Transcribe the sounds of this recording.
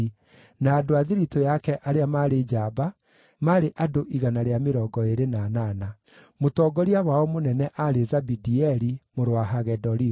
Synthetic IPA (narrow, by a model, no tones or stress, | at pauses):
naːdoaðiɾitojakɛʔaɾeamaɾed͡ʒaba | maɾeʔadoʔiɣanaɾeameɾɔːɡɔeɾenaːnana | motɔɡɔɾiawaɔmonɛnɛʔaɾezabidiɛɾimoɾowaɦaɣɛdɔɾi